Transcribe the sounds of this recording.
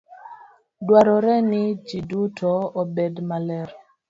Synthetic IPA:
dwaɾɔɾɛnɪd͡ʒidutʰɔobedmalɛɾ

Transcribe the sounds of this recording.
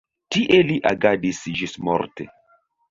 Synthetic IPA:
tiʔeliʔa̰ɡadisʒismo̰ɾtḛ

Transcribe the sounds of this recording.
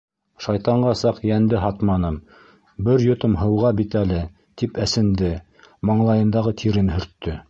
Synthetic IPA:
ʃɑjt̪ɑɴɢɑsɑqjænd̪ɘɦɑt̪mɑnɤm | bɘɾjŏt̪ɤmɦɤ̆wʁɑbit̪ælɘ | t̪ipæsɘ̆nd̪ɘ | mɑɴlˠɑjɤ̆nd̪ɑʁɤt̪ʰiɾɘnhɵ̆ɾt̪ːɵ

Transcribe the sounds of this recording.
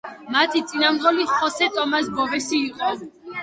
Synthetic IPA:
mat̪ʰit̪sʼinamɔliχɔsɛt̪ʼɔmasbɔvɛsiːqʼɔ

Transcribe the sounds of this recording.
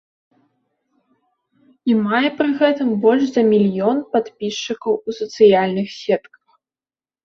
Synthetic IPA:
imajɛpɾɨɣɛt̪ɨmbɔlʲʂzɐmʲilʲjɔnpat̪pʲiʂt͡ʂɨkɐwusɐt̪sɨjalʲnɨxsʲɛt̪kɐ̥x

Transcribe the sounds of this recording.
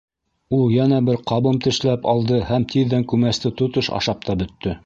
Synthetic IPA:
ulˠjænæbɘɾqɑβɤmt̪ɘ̆ʃlæpɑlˠd̪ɤhæmt̪iðːæŋkʉmæst̪ɘt̪ŏt̪ɤʃɑ̰ʃɑp̚t̪ɑbɵ̆t̪ːɵ

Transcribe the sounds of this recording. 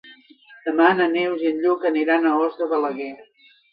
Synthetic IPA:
d̪̥əmanənewziənʎukəniɾanəɔzt̪ɾəðələɣɛ

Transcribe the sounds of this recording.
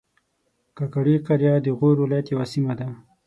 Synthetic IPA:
kakaɽiqaɾjɑd̪əɣoɾwɪlɑjat̪jawasimad̪a

